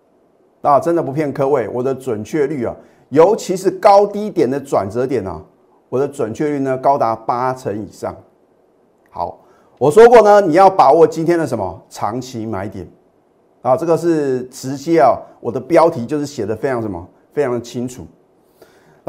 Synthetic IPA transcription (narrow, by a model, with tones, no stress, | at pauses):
na˨˩ʈ͡ʂə˥˦nd̪ə˨p̬u˧˥pʰjɛ˥˩nkʰɤ˥we˥˩ɪwʔɔ˨˩d̪ə˦t͡swə˨˩nt͡ɕʰɥɛ˥˧ly˥˩ɐ̰˨ | jo˧˥ʊt͡ɕʰi˧˥ʂɻ̩˥˩kɑ˥˦ʊt̪i˥t̪jɛ˨˩nd̪ə˦t͡swa̰˨˩nt͡sɤ˧˦t̪jɛ˨˩nɐ̰˨˩ | wɔ˨˩d̪ə˦t͡swə˨˩nt͡ɕʰɥɛ˥˧ly˥˩nə˨kɑ˥ʊt̪a˧˥pa˦˥t͡sʰə˧˥nḭ˨˩ʂɑ̰˥˩ŋ | xɑ̰˨˧˦ʊ | wɔ˨˩ʂ̬wɔ˥kwɔ˥˩nə˨ni˨˩jɑ˥˩ʊpa˨˩wɔ˨˩t͡ɕi˥nt̪ʰjɛ˥nd̪ə˨˩ə˧˦mə̰˧˨t͡sʰɑ̰˧˥ŋt͡ɕʰi˧˥ma˧˥ɪt̪jɛ˨˩˦n | a˨˩ʈ͡ʂɤ˥˩ɡə˨ʂ̬ɻ̩˥˩ʈ͡ʂʰɻ̩˧˥t͡ɕi˥ɐ˨wɔ˨˩d̪ə˦pjɑ˥ʊt̪ʰi˧˥t͡ɕjo˥˧ʊʂɻ̩˥˩ɕjɛ˨˩d̪ə˦fe˥ɪʈ͡ʂʰɑ˧˥ŋʂə˧˦mɐ̰˧ | fe˥ɪʈ͡ʂʰɑ˧˥ŋd̪ə˨˧t͡ɕʰi˥ŋt͡sʰṵ˨˩˦